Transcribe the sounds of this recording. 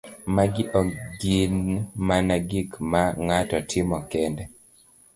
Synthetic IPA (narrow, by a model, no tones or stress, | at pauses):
maɡɪʔɔɡinmanaɡikmaŋatɔtʰɪmɔkɛndɛ